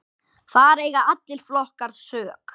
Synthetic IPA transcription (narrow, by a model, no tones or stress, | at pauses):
θaɾeːjɣaat̪lɪl̥flɔhkaɾ̥sœːk